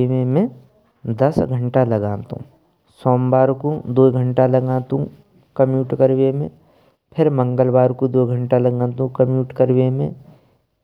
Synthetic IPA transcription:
mẽmẽ | d̪ɐsɡʱə̃ɳʈalɐɡãːnt̪ṵ̃ː | soːmbaːɾkũd̪oːɡʱə̃ɳʈalɐɡãːnt̪ũ | kɐmjuːʈkəɾwemḛ̃ | pʰɪɾmə̃ŋɡəlbaːɾkũd̪oːɡʱə̃ɳʈalɐɡãːnt̪ũkɐmjuːʈkəɾwemḛ̃

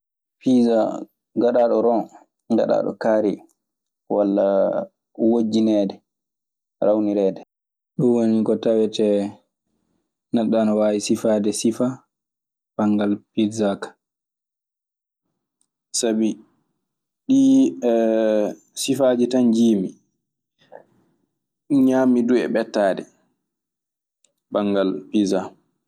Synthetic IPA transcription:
piza | ɡaɗaɗɔɾɔn | ɡa̰ɗa̰ːɗɔ̰kaːɾi | walːa | wod͡ʒːinɛːdɛ | ɾawniɾɛːdɛ | ɗuwonikɔtawɛtɛ | naɗːanɔwaːwisifadɛsifa | paŋɡalpizakḁ | sabi | ɗi | sifad͡ʒitand͡ʒiːmi | ɲaːmiduɛ̰ɓɛtːaːdɛ̰ | baŋɡalpiza

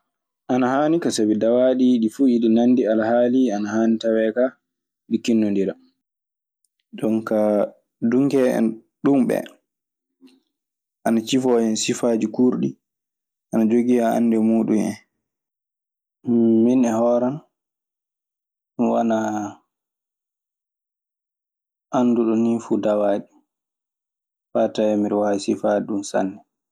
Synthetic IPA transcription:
ʔanahaːnikasabidawaːɗiɗifuiɗinanːdialahaːlianahaːnitawɛka | ɗikːinːɔndiɾa | dɔnka | duŋkɛɛ̰n | ɗumɓɛ̰ | ʔanat͡ʃifɔjɛnsifad͡ʒikuɾɗi | ʔanad͡ʒoɡijaa̰nːdɛmuːɗumɛ̰n | minɛhɔːɾan | wana | ʔanːduɗɔnifudawaːɗi | fatajɛmiɾwaisifaiɗumsa̰nːɛ

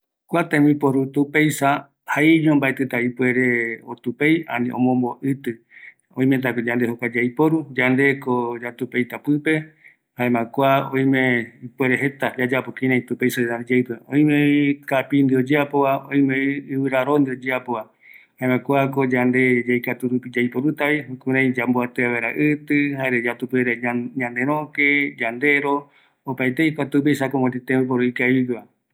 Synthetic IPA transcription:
kʷat̪ãmipoɾut̪upejsa | haiɲõmbaet̪ɨt̪aipwe̞ɾeot̪upeja̰nĩʔõ̰mõmboʔɨt̪ɨ | õij̃mẽt̪̬akod͡ʒand̪ehokʷad͡ʒajpoɾud͡ʒand̪e̞kod͡ʒat̪upejt̪apɨpe̞ | haẽmãkʷaõj̃mẽipweɾeɦe̞t̪ad͡ʒad͡ʒapokĩnãj̃t̪upejsaead͡ʒeɨpɨõj̃mẽkapind̪iod͡ʒeapoβaõĩmeiɨβɨɾaɾond̪iod͡ʒeapoβa | haemãkʷakod͡ʒand̪ed͡ʒeijkat̪uɾupid͡ʒajpoɾut̪aβikũɾãj̃d͡ʒamboat̪eaβeɾa̰ʔɨt̪ɨhaeɾed͡ʒat̪upeɾeɲãnd̪eɾ̃õked͡ʒand̪e̞ɾo | opajt̪eikʷat̪upejsakomod͡ʒet̪ẽp̬oɾoikaiɡβa

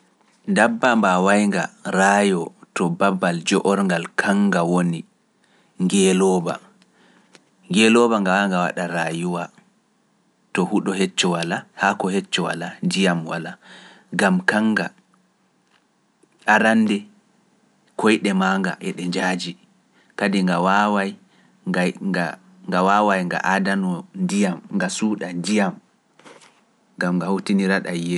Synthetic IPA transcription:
ndabːambawajŋɡa̰ɾaːjɔtɔbabːald͡ʒɔʔɔɾŋɡalkʰaŋɡawoni | ŋɡɛlɔːba̰ | ŋɡɛlɔbaŋɡawajŋɡawa̰ɗaɾajuwa | tɔhuɗɔɦɛt͡ʃːɔwalahakɔhɛt͡ʃːɔwa̰landijamwala | ɡamkaŋɡa | ʔaɾandɛ | kʰɔjɗɛmaːŋɡa̰ʔɛɗɛɲd͡ʒaːd͡ʒi | kadiŋɡawawaj | aa | ŋɡawawajŋɡa̰ʔadanɔndijamŋɡasuːɗandijam | ŋɡamŋɡahotiniɾaɗajːɛ

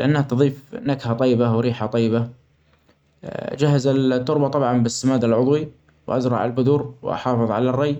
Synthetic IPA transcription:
lʔanːhat̪ɑðˤiːfnakhat̪ˤɑjːɪbawɾiːħat̪ˤɑjːɪba | d͡ʒahazat̪ːʊɾbɑt̪ˤɑbʕɑmbɪsːamaːd̪alʕʊd̪ˤwi | wʔa̰zɾˤɑʕalbʊd̪uːɾwʔɑ̰ħɑːfɨðˤʕalarˤːɑj

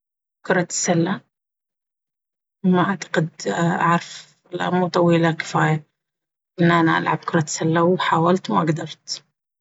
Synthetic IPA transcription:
kʊɾˤɑt̪salːa | wmaʔaʕt̪ḁqɪd̪ʔaʕɾˤɑf | la̰muːt̪ˤɑwiːlakɪ̥faːja | ʔɪnːʔanaʔa̰lʕa̰b̚kʊɾˤɑt̪salːawħaːwalt̪wmaʔaɡd̪ɑɾˤt̪

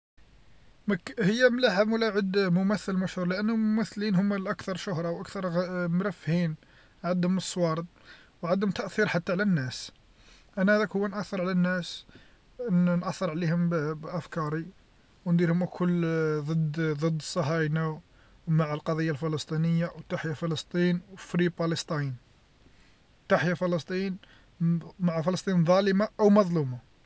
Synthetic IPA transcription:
mækhəjːæmlaʕəbmʊlaʕəd̪mʊmæθːəlmæʃhuɾˤlɪʔænːhʊmːʊmæθːlinhʊmːælʔækt̪ɑɾˤʃʊhɾˤɑwʔækt̪ɑɾˤmɾæfːhin | ʕad̪ːʊməsːwɑɾˤət̪̚ˤ | wʕad̪ːʊmt̪æʔθiɾħat̪ːaʕlænːæs | ʔænːæhæd̪ækhʊwːænʔæθːəɾˤʕlænːæs | nʔæθːəɾˤʕlihʊmbʔæfkɑɾi | wnd̪iɾhʊmʔækʰʊlːd̪ˤəd̪d̪ˤəd̪ːəsˤːɑɦɑjna | maʕəlqɑd̪ˤijːalfələst̪ˤinəjːawt̪ːaħjafələst̪ˤinwfɾipɑləst̪ˤin | wt̪aħjafələst̪ˤin | maʕafələst̪ˤinðˤɑləmaʔəwmɑðˤluma

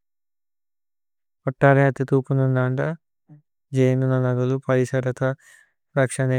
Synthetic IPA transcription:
ɔʈːaːɾeɐt̪ːit̪uːpununaːɳɖɐ | d͡ʒejnunɐnɐɡɐlupɐɾisɐɾɐt̪ɐ | ɾɐkʂɐne

